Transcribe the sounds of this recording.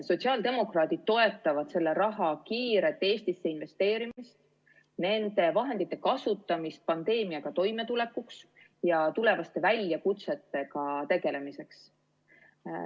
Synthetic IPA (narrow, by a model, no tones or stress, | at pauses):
so̞t̪ʲsiɑːld̪e̞mo̞krɑːt̪id̪̥̚t̪ːo̞e̞t̪ˑːɑvɑd̪̥se̞lːe̞ɾɑɦɑkiːɾe̞t̪ːˑe̞ːsʲt̪isːe̞inve̞st̪e̞ːɾimist̪ | ne̞nd̪̥e̞vɑɦe̞nd̪̥it̪ːˑe̞kɑsut̪ˑːɑmist̪̚pɑnd̪̥e̞ːmiɑɡ̥ɑt̪o̞jme̞t̪ule̞kːˑuks | jɑt̪ule̞vɑst̪e̞vælʲjɑkut̪se̞t̪ːˑe̞kɑt̪e̞ɡ̥e̞le̞mise̞ks